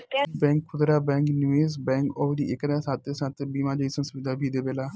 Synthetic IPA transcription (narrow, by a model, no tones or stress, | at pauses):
bɛ̃ːŋkʰːʊd̪ɾaːbɛ̃ːŋknueːs̬bɛ̃ːŋkod̪ḭʔɪknasãːt̪ːeːsãːt̪ebiːmaːd͡ʒəiːsə̃nsʊʋɪd̪aːbiːd̪eːbeːlaː